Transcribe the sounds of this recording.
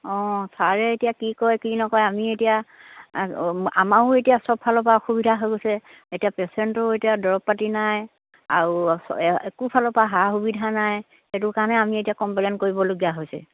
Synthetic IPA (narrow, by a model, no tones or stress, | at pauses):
ɔ̃saɹɛetijakikɔjkinɔkɔjamietija | a̰maʊetijasɔb̚ʰalɔpaxubidʱaɦojɡosɛ | etijapɛsɛntɔetiadɔɹɔp̚pːatinaj | a̰ɹusɔekupʰalɔpaɦaxubidʱanaj | xet̬ʊkanɛamietijakɔmplɛnkoɹibɔloɡijaɦojsɛ̰